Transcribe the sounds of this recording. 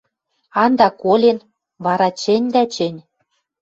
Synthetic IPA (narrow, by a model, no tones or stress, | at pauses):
ɑnd̪ɑkolʲen | βɑɾɑt͡ɕɘ̆nʲd̪æt͡ɕɘ̆nʲ